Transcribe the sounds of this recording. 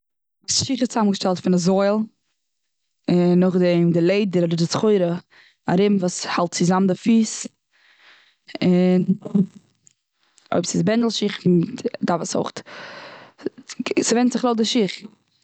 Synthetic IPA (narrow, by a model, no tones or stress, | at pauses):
sʃiχɪst͡samɡəʃtɛlˠtfɪnazɔɪlˠ | ɪnːɔχdɛmdɪlˠeɪdəɾɔdəɾdɪt͡sχɔɪɾə | aɾɪbm̩vuːshalˠt̚t͡sɪzamn̩dɪfiːs | ɪn | o̰ɪbsɪsbɛndl̩ˠʃɪχdafəso̰ʊχt | sɪvɛntz̥ɪχlˠoʊdɪʃiχ